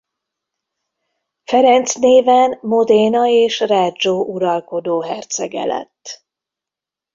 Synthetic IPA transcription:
fɛɾɛnt̪sneːvɛnmod̪eːnɒeːʃraːd͡ʒoːʔuɾɒlko̞d̪oːɦɛrt̪sɛɡɛ̰lɛ̰t̪ː

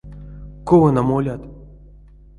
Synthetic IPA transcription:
kovɤnamolʲat̪

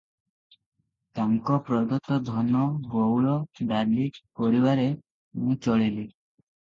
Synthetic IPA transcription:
t̪aŋkɔpɾɔd̪ɔt̪ɔd̪ʱɔnɔbowɭɔɖaɾlipɔɾibaɾe | mũt͡ʃɔɭili

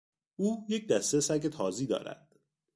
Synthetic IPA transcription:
uːjec̚ʰd̪æst̪esæɟe̞t̪ʰɒːziːd̪ɒ̰ːɾæ̰d̪̥

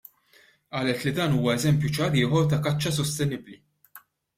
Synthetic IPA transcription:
ʔɐːlɛt̪lid̪ɐːnuːwɐɛzɛmpjut͡ʃɐɾɪːħɔɾt̪ɐkɐt͡ʃːɐs̬ɔst̪ɛnɪbli

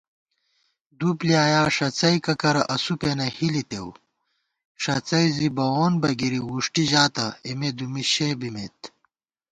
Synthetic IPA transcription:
d̪upliaːjaːʂɐt͡sɐjkɐkɐɾɐʔɐsupenɐhilit̪ew | ʂɐt͡sɐjzibɐwoːnbɐɡiɾiwuʂʈiʑaːt̪ɐimed̪umiɕeːbimet̪

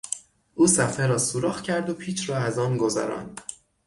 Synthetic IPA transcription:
ʔuːsæfeɾɒːsuɾɒːxcʰæɾd̪o̞pʰiːt͡ʃʰrɒːæzɒːnɡo̞zæ̰ɾɒ̰ːnd̪̥

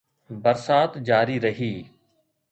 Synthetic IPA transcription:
bəɾsaːt̪d͡ʒaːɾiɾəɦiː

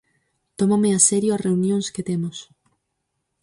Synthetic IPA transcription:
t̪omameasɛɾjʊarʔeunjõŋsket̪ɛmʊs

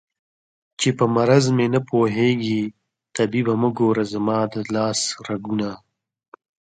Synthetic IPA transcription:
t͡ʃepəmɐɾɐzmenɐpoːɦeːɡi | t̪ɐbibɐməɡoːɾazɐmɑːd̪əlɑːsɾɐɡuna

